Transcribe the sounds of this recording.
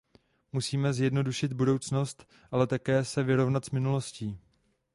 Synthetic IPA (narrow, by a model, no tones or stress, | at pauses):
musiːmɛzjɛdno̞duʃɪd̪̚budo̞wt͡sno̞st̪ | ʔalɛt̪akɛːsɛvɪɾo̞vnat̪z̥mɪnulo̞sciː